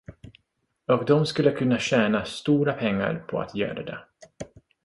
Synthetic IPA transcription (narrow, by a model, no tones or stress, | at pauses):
ɔkd̪ɔmskɵlːəkʰɵnːaɕɛːnast̪uːɾapʰɛŋːa̰ɾpʰɔa̰t̪jœ̰ːɾad̪ɛ̰